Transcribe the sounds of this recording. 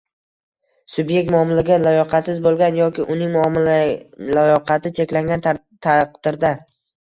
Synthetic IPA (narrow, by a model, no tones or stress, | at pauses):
sʊbje̞k̚ʲt̪mʊɒmɪlaɡʲalajɒqʰɑt̪sɪzbolˠɡʲanjɒkʲɪʔʊnɪŋmʊɒm | lajɒqʰɑt̪ʰɪt͡ʃʰe̞kʲlaŋɡʲanʰ | qd̪̥ɪɾd̪a